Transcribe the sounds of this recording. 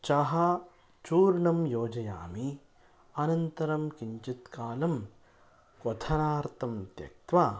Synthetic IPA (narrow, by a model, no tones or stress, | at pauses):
t͡ʃɐɦɐ | t͡ʃuːɾɳɐmjoːd͡ʒɐja̰ːmi | ɐnɐnt̪ɐɾɐmkiɲt͡ʃit̪kaːlɐm | kɔt̪ʰɐnaːɾt̪ɐmt̪jɐ̰k̚t̪ʋaː